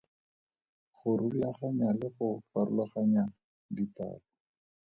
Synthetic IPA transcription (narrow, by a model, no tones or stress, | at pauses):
χʊɾuaχaɲalɪχʊfaɾʊlaχaɲa | dita̰ːlɔ